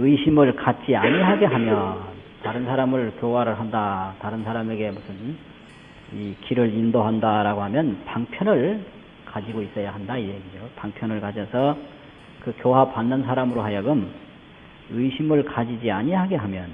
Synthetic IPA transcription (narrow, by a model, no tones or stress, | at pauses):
ɯiɕʰimɯɭkat̚t͡ɕ͈iaɲiɦaɡe̞ɦamjʌntaɾɯnsʰaɾamɯɭkjowaɾɯɭɦandataɾɯnsʰaɾame̞ɡe̞musʰɯn | ikʰiɾɯɾindoɦandaɾaɡoɦamjʌnpaŋpʰjʌnɯɭ | kad͡ʑiɡois͈ʌjaɦandaieɡid͡ʑopaŋpʰjʌnɯɭkad͡ʑʌsʰʌ | kɯkjoɦapanːɯnsʰaɾamɯɾoɦajʌɡɯm | ɯiɕʰimɯɭkad͡ʑid͡ʑiaɲiɦaɡe̞ɦamjʌn